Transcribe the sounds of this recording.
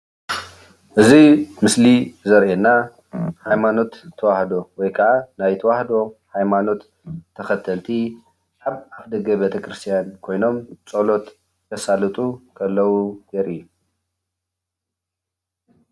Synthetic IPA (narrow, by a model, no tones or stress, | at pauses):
ʔɨzimɨslizɐɾʔenːa | hajmano̞t̪ʰːɐwaħd̪o̞wɔjkʰɐʕanajt̪ʰɐwaħd̪o̞hajmano̞t̪ʰː | ɐxɐt̪ʰːɐlt̪ʰi | ʔaβaβd̪ɐɡɐbet̪ʰɐkʰɾɨst̪ʰijankʰo̞jno̞mt͡sʼɐlo̞t̪ | k̪ʰɐsalɨt̪ʼukʰɐlːɐwuɡɐɾʔijːu